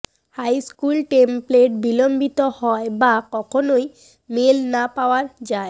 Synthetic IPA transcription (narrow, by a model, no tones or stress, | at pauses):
hajskulʈempleʈ̚bilombit̪ohɔebakɔkʰonoj | melnapaoaɾd͡ʑae